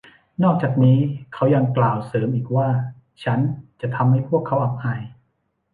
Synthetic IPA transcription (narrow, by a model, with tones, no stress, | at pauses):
nɔː˥˩k̚t͡ɕaː˨˩k̚niː˦˥kʰa˦˥wja˧ŋklaː˨˩wsɤː˩˦mʔiː˨˩k̚waː˥˩ | t͡ɕʰa˦˥nt͡ɕa˨˩ʔt̪ʰa˧mha˥˩jpʰu˥˩əkʰːa˦˥wʔa˨˩p̚haː˨˩j